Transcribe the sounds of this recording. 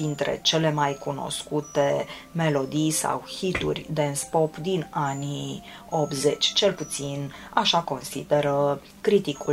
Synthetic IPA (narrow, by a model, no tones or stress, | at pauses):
d̪int̪ɾe̞̰t͡ʃe̞le̞majkuno̞̰skut̪e | me̞lo̞d̪ijsa̰whit̪ṵrʲd̪enspo̞pd̪inani | o̞pze̞t͡ʃʲt͡ʃe̞lput̪sina̰ʃako̞nsḭd̪e̞ɾə | kɾit̪iku